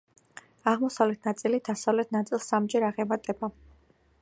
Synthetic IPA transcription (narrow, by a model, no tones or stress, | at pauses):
aʁmɔsavlɛt̪ʰnat̪sʼilid̪asavlɛt̪ʰnat̪sʼilˠsːamd͡ʒɛɾaʁɛmat̪ʼɛba